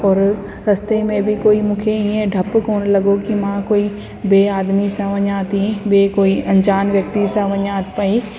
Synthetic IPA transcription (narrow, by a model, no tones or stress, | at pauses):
ɔːɾ | ɾɐst̪emẽbʱɪkoːimũːkʰeiẽɖʱɐpkoːnlɐɡokimãkoːi | beːaːd̪misãʋɐɲaːt̪ĩbekoːiɐ̃ɲd͡ʑaːnʋjɐk̚t̪isãʋɐɲaːt̪pɐi